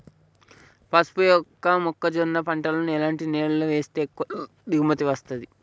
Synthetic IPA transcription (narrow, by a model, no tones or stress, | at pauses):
pɐspujɔkːɐmɔkːɐd͡ʒonːɐpɐɳʈɐlɐnuɛlaːɳʈineːluluʋe̞ːst̪e̞ːk | d̪iɡumɐt̪iʋɐst̪ɐd̪i